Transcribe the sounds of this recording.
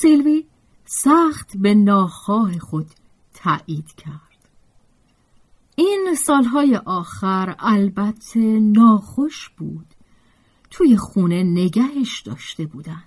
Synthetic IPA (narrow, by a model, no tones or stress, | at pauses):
silvi | sæxt̪ʰbe̞nɒːxɒːɦe̞xo̞d̪̥ʰ | æːʔiːd̪̥cʰæɾd̪̥ | iːnsɒːlɦɒːjeʔɒːxæɾælbæt̪ʰːe̞nɒːxoʃb̥uːd̪̥ | t̪ʰuːje̞xuːne̞ne̞ɟæɦeʃd̪ɒːʃt̪e̞buːd̪ænd̪̥